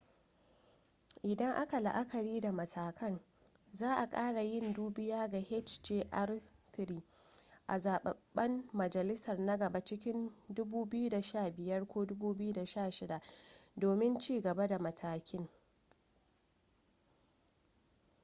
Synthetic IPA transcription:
ʔɪ˨dɐ˦ŋʔa˦ka˨la̰˨ʔa˦kʰɐ˨ɽiː˦da˨mɐ˨tʰaː˨kʰɐ˦n | zaː˦ʔa˨kʼaː˦ɽa˨jɪ˦nduː˦bɪ˦jaː˦ɡa˨hɛ˦t͡ʃd͡ʒeː˦ʔa˦rtɪ˨ɾiː˨ʔa˨zaː˨ɓɐ̰˨ɓːɐ˦mmɐ˨d͡ʒɐ˨lɪ˦sɐ˨rnɐ˦ɡɐ˨ba˦t͡ʃɪ˦kʲɪ˦ndʊ˦buː˦bɪ˦ju˦da˨ʃaː˦˨bɪ˨jɐ˦rkʷoː˦dʊ˦buː˦bɪ˦ju˦da˨ʃaː˦˨ʃɪ˦da˨ʔdoː˨mɪ˦nt͡ʃiː˦˨ɡɐ˨ba˦da˨mɐ˨tʰaː˨kʲɪ˦ŋ

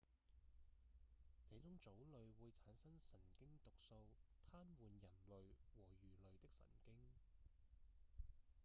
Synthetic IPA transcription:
t͡se˨˥t͡sʊ˥ŋt͡so˨˥wlɵ˨ɥwuː˨˧jt͡sʰaː˨˥nsɐ˥ŋsɐ˨˩nkɪ˥ŋt̪ʊ˨k̚so˧wt̪ʰaː˥nwuː˨njɐ˨˩nlɵ˨ɥwɔː˨˩jyː˨˩lɵ˨ɥt̪ɪ˥k̚sɐ̰˨˩nkɪ˥ŋ

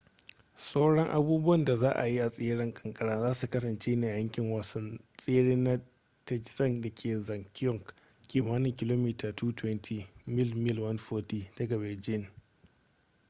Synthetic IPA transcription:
sʼo˦ɽɔ˦ŋʔa˦buː˦bʊ˦wɐ˦˨nda˨zaː˦ʔa̰˨ji˦ʔa˨sʼeː˦ɽɪ˦ŋkʼɐ̥˨ŋkʼɐ˦ɽaː˦zaː˦su˨kɐ˦s̬ɐ˨nt͡ʃeː˦neː˨jɐ˦ŋkʲɪ˨ŋwa˨sɐ˦nsʼeː˦ɽiː˦na˦ | tɛ˦d͡ʒsɐ˦ŋda˨kʲʰeː˨zɐ˨ŋkʲʊ˦˨ŋk | kʲiː˨maː˦nɪ˨ŋkʲɪ˦loː˦miː˦tʰaː˨tʰuː˦tʰwɛ˦ntʰiː˨mɪ˦lmɪ˦lwɐ˦nɸoː˦ti˨d̥ɐ˦ɡɐ˨bɪ˨ld͡ʒɪ˦˨n

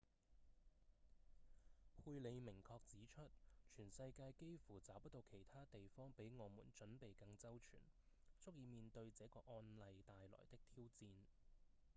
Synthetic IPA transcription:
pʰuː˧jle˨˧jmɪ˨˩ŋkʰɔː˧k̚t͡siː˨˥t͡ʃʰɵ˥t̚t͡ʃʰyː˨˩nsɐ˧jkaː˧jke˥jfuː˨˩t͡saː˨˥wpɐ˥t̪o˧wkʰe˨˩jt̪ʰaː˥t̪e˨jfɔː˥ŋpe˨˥jŋɔː˨˧mṵː˨˩nt͡ʃɵ˨˥npe˨jkɐ˧ŋt͡sɐ˥wt͡ʃʰy̰ː˨˩nt͡sʊ˥k̚jiː˧miː˨nt̪ɵ˧ɥt͡sɛː˨˥kɔː˧ʔɔː˧nlɐ˨jt̪aː˨jlɔ̰ː˨˩jt̪ɪ˥k̚t̪ʰiː˥wt͡siː˧n

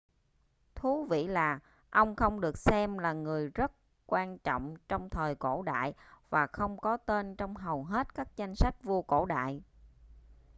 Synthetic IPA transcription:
t̪ʰu˨˦vḭ˧˨laː˨˩ | ʔə˧wŋ͡mxə˧wŋ͡mɗɨ˨˩ək̚sɛ˧mlaː˨˩ŋɨ˨˩əjzə˦˥t̚ | kwaː˧nt͡ɕɔ̰˧˨wŋ͡mt͡ɕɔ˧wŋ͡mt̪ʰəː˨˩jko̰˧˩ɗa̰ː˧˨jvaː˨˩xə˧wŋ͡mkɔ˨˦t̪e˧nt͡ɕɔ˧wŋ͡mɦə˨˩wɦe˦˥t̚kaː˦˥k̚t͡ɕa˧jŋ̟sa˦˥jk̟̚vu˧əko̰˧˨ɗa̰ː˧˨j

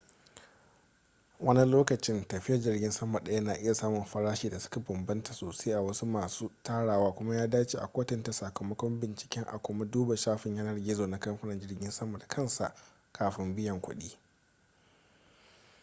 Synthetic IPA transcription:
wʔɐ˦ni˦loː˦kɐ˨t͡ʃɪ˦ntɐ˨ɸɪ˦jɐ˦rd͡ʒɪ˦rɡʲɪ˦nsɐ˦ma˨ɗɐ˦ja˦naː˨ʔɪ˦ja˨saː˦mʊ˨mɸɐ˦ɽaː˦ʃiː˨da˨sʊ̥˦ka˨bɐ˨mbɐ˦nta˨soː˨seː˦ʔa˨wɐ˦su˦maː˨suː˦taː˦ɽaː˨waː˦kʷʊ˦ma˦jaː˦daː˦t͡ʃiː˨ʔa̰˨kʷoː˦tɐ˦nta˨sa˨kɐ˨mɐ˦kʷɔ˦mbɪ˨nt͡ʃɪ̥˨kʲɛ˦ŋʔa̰˨kʷʊ˦ma˦duː˦ba˨ʃaː˦ɸɪ˨ɲja˦nɐ˦rɡʲɪ˦zoː˨na˨˦kɐ˦mɸɪ˦nɐ˨nd͡ʒɪ˦rɡʲɪ˦nsɐ˦mɐ˨dkʰɐ˦nsa̰˨ʔ | kʰaː˨ɸɪ˦mbɪ˦jɐ˨ŋkʷʊ̰˦ɗiː˦

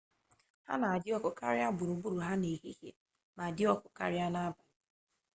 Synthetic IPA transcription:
ha̰˦na˨a˨dɪ˦ɔ˦kʊ˨ka˦ɾɪ˦a˦bʊ˨ɾu˨bu˦ɾu˨ɦa˦ne˨ɦi˦hjḛ˦ | ma˨dɪ˦ɔ˦kʊ˨ka̰˦ɾɪ˦a˦na˦ba˨

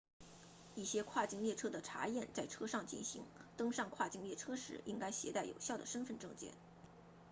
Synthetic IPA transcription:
i˥˩ɕjɛ˥kʰwa˥˩t͡ɕi˥ŋljɛ˥˩ʈ͡ʂʰɤ˥d̪ə˨ʈ͡ʂʰa̰˧˥jɛ˥˩nt͡sa˥˩ɪʈ͡ʂʰɤ˥ʂɑ˥˧ŋt͡ɕḭ˥˩nɕḭ˧˥ŋt̪ɤ˥ŋʂɑ˥˧ŋkʰwa˥˩t͡ɕi˥ŋljɛ˥˩ʈ͡ʂʰɤ˥ʂɻ̩˧˥ʔi˥ŋka˥ɪɕjɛ˧˥t̪a˥˩ɪjo˨˩ʊɕjɑ˥˩ʊd̪ə˩ʂə˥nfə˥˧nʈ͡ʂɤ˥˧ŋt͡ɕjɛ̰˥˩˦n

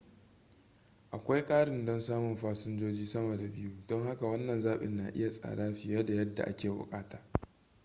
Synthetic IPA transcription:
ʔa˨kʷa˦jkʼaː˦ɽɪ˨ndɔ˦nsaː˦mʊ˨nɸaː˦sʊ˦nd͡ʒoː˦d͡ʒiː˦sɐ˦mɐ˨da˨bɪ˦ju˦dɔ˦ŋha˦ka˨wɐ˦nːɐ˨nzaː˦ɓɪ̰˨nːaː˨ʔɪ̰˦ja˨sʼa̰ː˨ɽaː˦ɸɪ˨ja˦da˨jɐ˦dːa̰˨ʔa̰˦kʲeː˨bʊ̰˨kʼaː˦taː˨

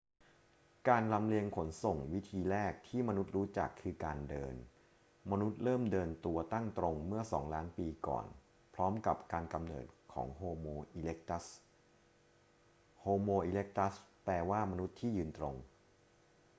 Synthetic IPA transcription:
kaː˧nla˧mli˧əŋkʰo˩˦nso˨˩ŋwi˦˥t̪ʰiː˧ɾɛː˥˩k̚t̪ʰiː˥˩ma˧nu˦˥t̪̚ɾuː˦˥t͡ɕa̰˨˩kʰːɯː˧kaː˧ndɤː˧n | ma˧nu˦˥t̪̚ɾɤː˥˩mdɤː˧nt̪u˧ɐt̪a˥˩ŋt̪ɾo˧ŋmɯ˥˩ɐsɔ̰ː˩˦ŋlaː˦˥npiː˧kɔ̰ː˨˩n | pʰɾɔː˦˥mka˨˩p̚kaː˧nka˧mnɤ̰ː˨˩t̪̚kʰɔ̰ː˩˦ŋɦoː˧moː˧ʔiː˧le˦˥k̚t̪s | hoː˧moː˧ʔiː˧le˦˥k̚t̪a˦˥splɛː˧waː˥˩ma˧nu˦˥t̪ʰːiː˥˩jɯː˧nt̪ɾo˧ŋ

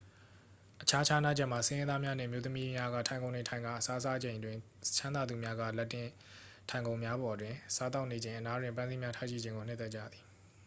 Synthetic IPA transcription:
ʔət͡ɕʰa˦t͡ɕʰa˦na̰˦˨d͡ʑɛ˦ʔm̥a˨sɪ̃˦jɪ̃˦d̪a˦mja˦nɪ̰̃˦˨ʔəmjo˦t̪əmi˦mja˦ɡa̰˦˨tʰã˨ɪ̃ŋõ˨ʊ̃ndẽ˨tʰã˨ɪ̃ŋɡa̰˦˨ʔəsa˦sa˦d͡ʑẽ˨ɪ̃dwɪ̃˨ | t͡ɕʰã˦nd̪a˨d̪u˨mja˦ɡa̰˦˨lɛ˦tːɪ̃˦˨ | tʰã˨ɪ̃ŋɡõ˨ʊ̃mja˦bɔ˨dwɪ̃˨sa˦t̪a˦ʊʔne˨d͡ʑẽ˨ɪ̃ʔəna˦dwɪ̃˨mp̬ã˦nzi˦mja˦tʰa˦˨ʃi˦˨d͡ʑɪ̃˨ŋɡo˨n̥ɪ˦t̪ɛ˦˨t͡ɕa̰˦˨d̪ði˨

